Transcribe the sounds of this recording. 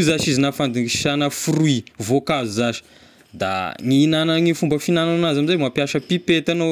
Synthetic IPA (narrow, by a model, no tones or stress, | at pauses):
zaʃizinafand̪iiʃanəfuɾuivokazuzaʃi̥ | d̪a̰ŋiːnanəŋifumbəfinananazamizamapjaʃəpipet̪ano